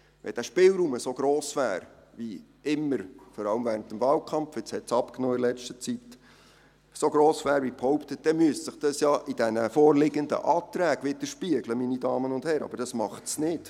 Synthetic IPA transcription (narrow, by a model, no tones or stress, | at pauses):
ʋɛ̰d̥æʃpɪːlɾuːməsoɡ̥ɾoːsʋæːɾ | ʋi | ɪmːəɾfɔɾɑləmvɛːɾənt̪əmvɑːlkʰχɑmfɪt͡shɛtsɑpknɔːɪdəlɛt͡ʃtət͡sit̪ | soɡɾoːsʋæːɾʋiphɔwpt̪ət̚d̥ɛmyəssɪχd̥ɑsjɑːʔid̥ɛnəfɔːrlɪɡənd̪ə̰ʔɑːt̪ɾæːɡ̥ʋɪt̪əʃpiəɡləminidɑːmənʊnd̥hɛɾɑ̰bəɾd̥ɑsmɑχtsnɪd̥